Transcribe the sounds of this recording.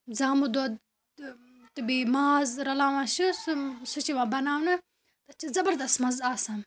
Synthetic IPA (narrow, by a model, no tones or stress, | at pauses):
zaːmud̪od̪ | t̪ɨbimaːzɾɐlaːʋãːʃussut͡ʃiʋãːbɐnaːʋnɨ | t̪ɐt͡ʃizɐbɐɾd̪ɐsmɐzaːsãm